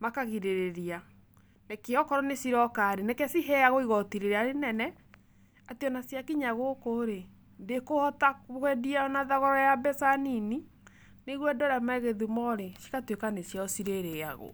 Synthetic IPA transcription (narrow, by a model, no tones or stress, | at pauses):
makaɣiɾeɾeɾia | nekeɔkɔɾɔnesiɾɔkaɾenekɛsiɦɛaɣoiɣɔtiɾeɾɛaɾenɛnɛ | atiɔnasjakiɲaɣokoːɾe | ndekohɔtaɣwɛdianaðaɣɔɾɔjabɛsanini | neɣwɛdɔɾamɛɣeðumɔɾesi̥katwekanesjaɔsiɾeɾea̰ɣo̰